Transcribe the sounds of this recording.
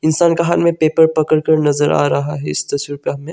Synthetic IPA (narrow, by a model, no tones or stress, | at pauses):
ɪnsaːnkaɦaːnmẽpeːpəɾpɐkəɽkɐɾnɐzəɾa̰ːɾɐɦaɦɛɪst̪ɐswiɾpɐɦɐmẽ